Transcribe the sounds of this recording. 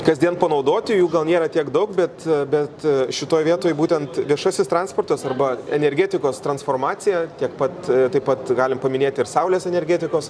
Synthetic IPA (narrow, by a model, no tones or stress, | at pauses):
kɐzʲd̪ʲiɛnpɐnɐʊd̪oːt̪ʲɪjuːɡɐlˠnʲeːɾɐt̪ʲiɛkd̪ɐʊkbʲɛt̪bʲɛt̪ʃʲɪt̪oːjʋʲiɛt̪oːjbuːt̪ʲɛnt̪ʋʲiɛʃɐsʲɪst̪ɾɑnspoːrt̪ɐsɐrbɐɛnʲɛɾʲɡʲeːt̪ʲɪkoːst̪ɾɐnsfoːrmɑːsʲɪjɛt̪ʲiɛkpɐt̪t̪ɐɪpɐt̪ɡɑːlʲɪmpɐmʲɪnʲeːt̪ʲɪrsɐʊlʲeːsɛnʲɛɾʲɡʲeːt̪ʲɪkoːs